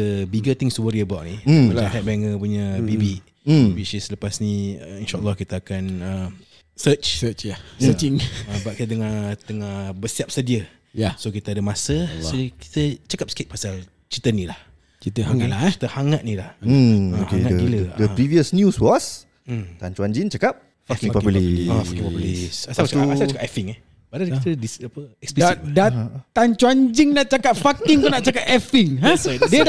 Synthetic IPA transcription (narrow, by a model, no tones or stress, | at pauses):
əbiɡət̪ɪŋswəɾiəbawʔnit͡ʃaɦɛt̪̚bɛŋəpuɲəbibi | wit͡ʃisləpasniinʃaʔəlːɔhkit̪əakanə | sət͡ʃsət͡ʃjaəiŋəbaʔ̚kit̪ədəŋat̪əŋabəsiap̚sədiə | jasokit̪əadəmasəsoki̥t̪ət͡ʃakap̚sə̥ket̪̚pasal | t͡ʃit̪ənilah | t͡ʃit̪aŋalakit̪əhaŋaʔ̪̚nilah̩okaeŋailədəpɾiviəsnjuswɔs̩ | t̪ant͡ʃuaɲd͡ʒɪŋt͡ʃakap̚ | fakpaliafaĩpblisasat͡ʃaaasaakapɛfiŋɛh | baɾadkit̪ədisapəɛksplidat̪ant͡ʃuaɲd͡ʒɪŋnaʔt͡ʃakap̚fak̚t̪iŋt̪onaʔt͡ʃakap̚ɛfiŋãdiəd